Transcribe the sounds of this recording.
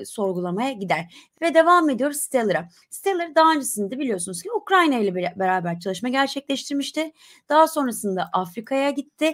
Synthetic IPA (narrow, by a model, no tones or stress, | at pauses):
so̞ɾɡulˠamajaɟid̪æɾ̥ | vɛd̪e̞vame̞d̪ijo̞ɾusst̪ʰelˠɯɾa | st̪ʰelˠɯɾd̪aɦaːnd͡ʒasɯnɯd̪ibilʲijo̞sunuzcʰiukɾajnajlʲɛbeɾaːbæɾt͡ʃʰalˠɯʃmaɟæɾt͡ʃʰɛclʲɛʃt̪ʰiɾmiʃt̪ʰɪ | d̪̥aɦaso̞nɾasɯnd̪aʔafɾikʰajaɟit̪ʰːɪ